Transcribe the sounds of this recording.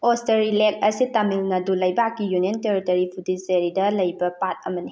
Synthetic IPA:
osteɾilek̚ɐsitamilnadulɐjbakːijunienteɾitɐɾipʰudiseɾidɐlɐjbɐpat̚ɐmɐni

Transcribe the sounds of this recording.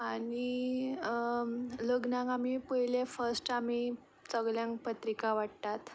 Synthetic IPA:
ani | ləɡnãŋɡamipəɦilefəɾsʈam̤i | t͡səɡljãŋkpət̪ɾikaʋaɽt̪at̪

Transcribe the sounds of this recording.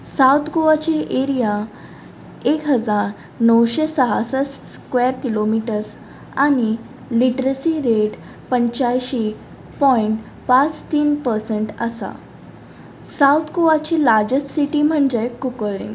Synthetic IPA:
sawt̪ʰkoʋat͡ɕiʔeɾija | ekɦəd͡zaɾ | nəwɕesəɦa̰səsskʋeɾkilomiʈəɾs | añi | liʈɾəsiɾeʈ | pəɲt͡ɕajɕi | pɔiɳʈ | pat͡st̪iːnpəɾseɳʈəsa̰ | sawt̪ʰkoʋat͡ɕilaɾd͡ʑəsʈsiʈiːm̤əɳd͡ʑekukəɭḭ̃ŋɡ

